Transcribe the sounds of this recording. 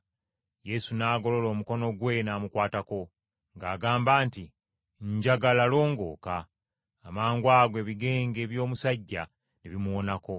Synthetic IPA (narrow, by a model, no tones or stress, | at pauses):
je̞sunaːɡo̞lo̞lo̞ːmuko̞no̞ɡwe̞naːmukwaːtako̞ | ŋɡaːɡaːmbaːnti | ɲɟaɡalalo̞ːŋɡo̞̰ːkaː | maːŋɡwaːɡwe̞βiɡe̞ːŋɡe̞ːβjo̞ːmusaɟːa̰ | neβimuwo̞nako̞